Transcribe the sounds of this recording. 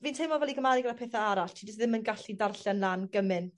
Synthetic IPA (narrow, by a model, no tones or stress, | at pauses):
viːntʰejmɔvɛliɡəmaɾɨɡɾapʰeːθaaɾaɬtʰiːdəsðɪmənɡaɬidarɬanlaːnɡ̥əmɨn